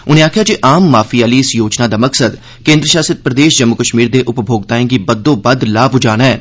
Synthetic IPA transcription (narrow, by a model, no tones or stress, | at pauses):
ʊnẽaːkʰjat͡ʃiʔaːmːaːfiaːliɪsjoːt͡ʃnad̪amɐksəd̪ | kẽːnd̪ɾəʃaːsɪt̪̚pɾəd̪eːʃd͡ʒəmːʊkəʃmiːɾd̪eʔʊpbʱoːɡt̪aːẽɡibɐd̪ːõbɐd̪laːbʱʊd͡ʒaːnɦɛː